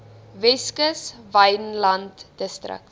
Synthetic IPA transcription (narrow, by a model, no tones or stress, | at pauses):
vɛskəsvɐjnlɐntdəstrə̰k̚